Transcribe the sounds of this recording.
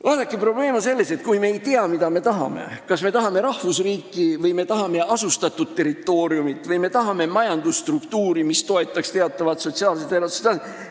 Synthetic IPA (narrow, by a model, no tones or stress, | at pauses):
ɑːd̪ɑkːipro̞b̥le̞ːmonse̞lːe̞se̞t̪̚kujme̞ːjt̪eɑmid̪̥ɑme̞t̪ɑɦɑ̰me̞̰kɑsme̞t̪ɑɦɑme̞ɾɑhvusriːkːˑivɤjme̞t̪ɑɦɑme̞ɑsust̪ɑt̪ːˑud̪̥̚t̪ːe̞ɾit̪ːˑo̞ːɾjumit̪ːˑvɤjme̞t̪ɑɦɑme̞mɑjɑnd̪̥ust̪rukt̪uːɾimist̪o̞e̞t̪ːˑɑkst̪eɑt̪ːˑɑvɑt̪so̞t̪ʲsiɑːlset̪eɾosu̥st̪ɑsi